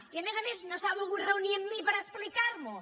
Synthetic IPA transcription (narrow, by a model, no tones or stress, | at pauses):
iɐmezɐmeznɐ̃w̃st̪aβalˠɣũnreunjẽmĩpɐɾɐeʃplˠikaɾmʊ